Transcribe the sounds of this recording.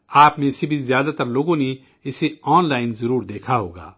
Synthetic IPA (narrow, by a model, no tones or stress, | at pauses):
aːpnẽɪsebʱizjaːd̪at̪ɐɾloːɡõne | ɪseɔːnlaːɪnzɐɾuːɾd̪eːkʰaɦo̰ːɡa̰ː